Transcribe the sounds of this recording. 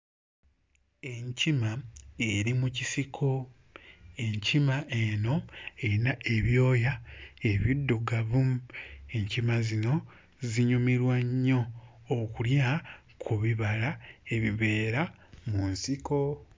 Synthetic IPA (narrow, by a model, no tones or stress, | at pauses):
e̞ɲcimaeɾimucisikʰo̞ | e̞ɲcimaʔeno̞enae̞βjo̞ːjae̞βidːoɡaβume̞ɲcimazino̞ | ziɲumiɾwaɲːo̞ː | kulja | kʰuβiβalae̞βiβe̞ːɾamunsiko̞